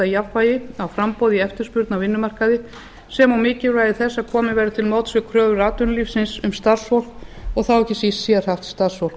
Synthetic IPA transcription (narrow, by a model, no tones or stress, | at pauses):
ajavvajɪawfɾampowðiɛft̪ɪɾ̥spʏɾt̪navɪnːʏmar̥kaðɪ | sɛmawmɪːcɪraːjðɪθɛsːaðkʰɔːmɪvɛːɾɪt̪ʰɪlmoːwt̪sʏkʰɾœːvʏɾaːt̪ʏnliːfsɪnsʏmst̪aɾ̥svɔwl̥kɔɣθawɛhcːɪsisɛːðɾ̥haft̪st̪aɾ̥svɔwl̥k